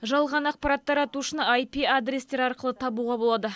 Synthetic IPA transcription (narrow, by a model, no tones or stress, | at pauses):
ʒɑlˠʁɑnɑqpɑɾɑt̪ːɑɾɑt̪uʃənajpʲiad̪ɾʲest̪e̞ɾɑɾqəlˠət̪ʰɑbuʁɑbolˠɑd̪ə